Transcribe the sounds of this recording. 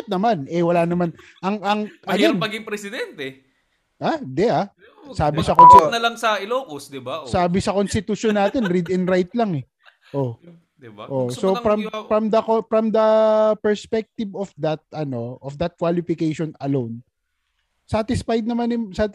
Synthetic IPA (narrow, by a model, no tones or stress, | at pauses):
t̪̚nɐmanʔɛwɐlaːnɐman | ʔɐŋɐŋʔɐɡɛpɐɡɪŋpɾɛsɪd̪ɛnt̪ɛ | ʔad̪ɛa | saːbɪsɐkonsnɐlɐŋsɐɪloːkosd̪ɪbasaːbɪsɐkonst̪ɪt̪uʃonːaːt̪ɛnɾid̪ɪnɾajt̪̚laŋɛ | ʔo̞ | ʔosoɾɐmfɾɐmd̪ɐkofɾɐmd̪ɐpɛɹspɛk̚t̪ɪvofd̪ɐt̪̚ɐno̞ʔofd̪ɐt̪̚kwalɪfɪkejʃonɐlown | saːt̪ɪsfajd̪̚nɐmanɛsat̪